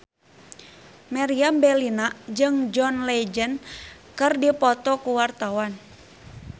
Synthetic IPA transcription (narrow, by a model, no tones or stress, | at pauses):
maɾiambɛlinad͡ʒɨŋd͡ʒɔnlɛd͡ʒən | kɨrdipɔt̪ɔkuwart̪awan